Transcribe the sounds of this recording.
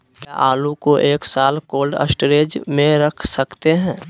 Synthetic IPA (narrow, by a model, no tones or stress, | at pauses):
ka̰ʔaːlukoʔeːksaːlkoːlɖə̰sʈɾeːd͡ʒmẽɾəkʰsəkt̪eɦɛ̃ː